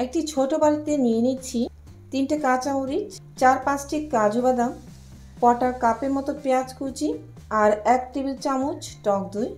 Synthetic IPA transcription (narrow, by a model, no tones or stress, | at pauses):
ek̚ʈit͡ɕʰoʈobaɾit̪enijenit͡ɕʰi | t̪inʈakat͡ɕauɾit͡ɕt͡ɕaɾpãt͡ɕʈikːad͡ʑʱubad̪am | pɔʈaɾkapeɾmɔt̪opeat͡ɕkut͡ɕi | aɾɛkʈ̪ɾibilt͡ɕamut͡ɕʈɔk̚d̪uj